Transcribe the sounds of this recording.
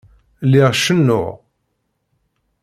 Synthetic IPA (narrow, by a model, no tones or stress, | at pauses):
lɪʁʃənːʊ̰ʁ